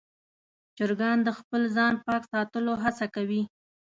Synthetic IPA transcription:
t͡ʃəɾɡɑnd̪əxpəlzɑnpɑksɑt̪əloɦasakawi

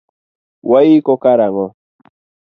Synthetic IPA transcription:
wajikokaɾaŋo

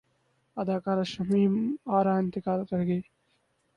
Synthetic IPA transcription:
ɐd̪aːkaːɾɐʃɐmiːmaːɾaːjnt̪ɪkaːlkɐɾɡeː

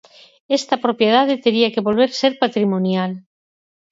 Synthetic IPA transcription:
est̪apɾopjeð̞aðet̪eɾiakeβo̞lβeɾseɾpat̪ɾimõnjal

